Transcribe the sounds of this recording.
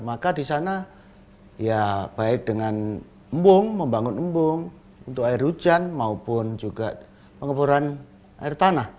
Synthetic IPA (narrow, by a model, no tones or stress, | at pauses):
makadisana | ijab̥aɪk̚dəŋan | əmbʊŋməmbaŋʊnəmbʊŋ | unt̪ʊkaɪrud͡ʒanmaupʊnd͡ʒuɡa̰ʔ | pəŋəpuɾan | a̰ɪrt̪anah